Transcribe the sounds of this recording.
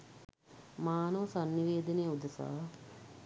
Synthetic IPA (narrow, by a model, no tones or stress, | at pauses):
maːnɐʋɐsanːiʋeːd̪ɐnejəud̪ɐsa̰ː